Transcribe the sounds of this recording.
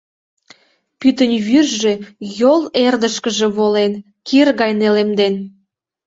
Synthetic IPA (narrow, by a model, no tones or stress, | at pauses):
pyt̪ənʲβyrʒejolerd̪əʃkəʒe̽βolen | kʰirɣɑjnelemd̪en